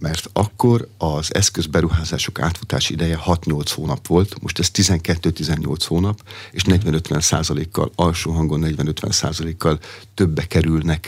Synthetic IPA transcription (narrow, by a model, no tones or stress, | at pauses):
mɛrt̪ɒkːo̞rɒzɛ̰skø̞zbɛɾuɦaːzaːʃo̞ka̰ːt̪fu̥t̪aːʃiid̪ɛjɛhɒt̪ɲo̞lt̪shoːnɒpʋo̞lt̪mʔo̞ʃt̪ɛst̪izɛŋkɛt̪ːøːt̪izɛɲːo̞̰lt̪shoːnɒpeːʃnɛɟʋɛnø̞t̪ʋɛ̰nsa̰ːzɒleːkːɒ̰lɒlʃoːɦɒŋɡonːɛɟʋɛnø̞t̪ʋɛ̰nsa̰ːzɒleːkːɒlt̪øbːɛkɛɾylnɛk